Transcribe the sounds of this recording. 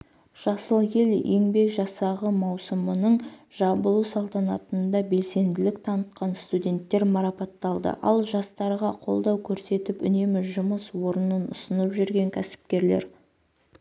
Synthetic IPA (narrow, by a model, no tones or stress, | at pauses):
ʒ̥ɑsəlˠje̞lje̞ŋbe̞kʒɑsɑʁəmɑwsəmənəɴʒ̥ɑbəlˠusɑlˠt̪ɑnɑt̪ənd̪ɑbe̞lse̞nd̪ɪlɪk̚t̪ʰɑnət̪̚qɑnst̪udʲe̞nt̪ːe̞ɾmɑɾɑpɑt̪ːɑlˠd̪ə̰ʔɑ̰lˠʒɑst̪ɑɾʁɑqʰo̞̰lˠd̪ɑwkʲʰɵɾse̞t̪ɪpʏne̞mɪʒʊməswo̞ɾənənʊ̰sənəpʒʏɾɡʲe̞ŋkʲʰæsɪ̥pkʲe̞ɾle̞̰ɾ